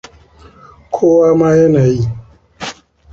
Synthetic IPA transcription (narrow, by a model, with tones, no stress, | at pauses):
kʷʰoː˦waː˦maː˦jɐ˦naː˨ji˦˨